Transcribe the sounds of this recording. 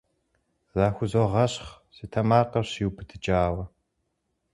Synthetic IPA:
zaːxʷʊzoʁɐɕχ | sitʰɐmaːqɐrɕiwbʰɨtʰɨt͡ʃʼaːwɐ

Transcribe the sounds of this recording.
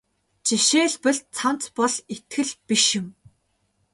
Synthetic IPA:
t͡ɕiʃeːɮpɘ̆ɮt͡sʰan̥t͡spɔɮet̪xɘ̆ɮpiʃjʊ̆m

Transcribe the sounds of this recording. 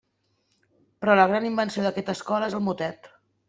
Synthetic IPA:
pɾɔləɣ̞ɾanimbənsioðəkɛt̪əskɔləezəlˠmut̪ɛt̪

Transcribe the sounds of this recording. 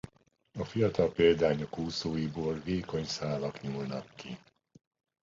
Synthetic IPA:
ɒfijɒt̪ɒlpeːld̪aːɲokuːsoːjiboːlveːko̞ɲsaːlɒkɲuːlnɒkːi

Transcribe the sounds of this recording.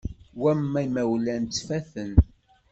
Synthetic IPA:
wæmːæjmæwlænt͡s̪ːfæθən

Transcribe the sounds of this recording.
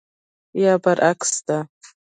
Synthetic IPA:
jabarʔakʰʼsta

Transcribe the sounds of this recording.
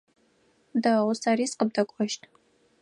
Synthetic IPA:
dawʊsaɾiːsqəb̚dɐkʷʼɔʃtʰʼ

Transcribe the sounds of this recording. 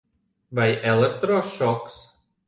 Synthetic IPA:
vɐjʔɛlˠɛk̚t̪ɾɔʃɔks

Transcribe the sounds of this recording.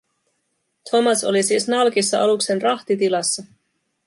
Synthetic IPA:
t̪ʰo̞mɑso̞̰lisiːsnɑlkisːɑʔɑlukse̞nrɑht̪it̪ilɑsːɑ

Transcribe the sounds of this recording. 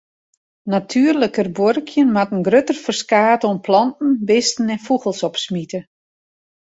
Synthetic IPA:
natʰyərləkərborkʰjənmatənɡrøtərfərskaːtonpʰlɑntn̩bɪstn̩ɛnfuɣəlˠsɔpsmitə

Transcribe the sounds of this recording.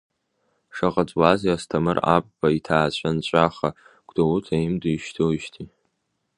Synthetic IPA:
ʂaqʼat͡sʷʼwaziastʰamɨra̰pʼbaitʰaːt͡ɕʷʼʰant͡ɕʷʼaχa | ɡ̥ʷd̥owutʰaimduʃtʰowʃtʰi

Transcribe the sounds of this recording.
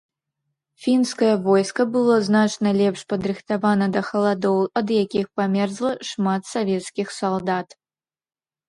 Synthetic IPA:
fʲinskɐjɐvɔjskɐbɨlˠɔznat͡ʂnɐlʲɛpʂpɐd̪ɾɨxt̪avanɐd̪ɐxɐlˠad̪ɔwɐd̪jakʲixpamʲɛrzlˠɐʂmat̪savʲɛt̪skʲixsalˠd̪at̪

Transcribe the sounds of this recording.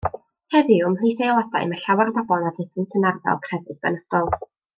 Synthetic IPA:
hɛðɨʊmlˠijθelˠada̰jmaɬawarbabɔnadɪdʰəntʰənarvɛ̰lˠkʰrɛvɨðbɛ̰nad̥ɔlˠ

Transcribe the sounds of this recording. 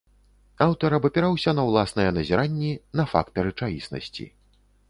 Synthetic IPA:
awt̪ɐɾɐbɐpʲɛɾawsʲɐnɐwlˠasnɐjɛnɐzʲɛɾanʲːinɐfa̰kt̪ɐɾɨt͡ʂajʲisnɐ̰sʲt͡sʲḭ

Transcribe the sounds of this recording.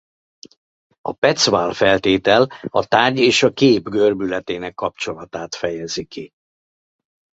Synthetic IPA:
ɒpɛt̪svaːlfɛlt̪eːt̪ɛlɒt̪aːrɟeːʃɒkeːbɡørbylɛt̪eːnɛkːɒp̚t͡ʃo̞lɒt̪aːt̪fɛjɛziki

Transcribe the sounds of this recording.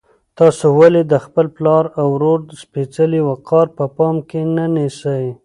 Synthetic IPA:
t̪ɑsowaled̪əxpəlplɑɾawɾoɾspet͡səliwaqɑɾpəpɑmkenanisəj

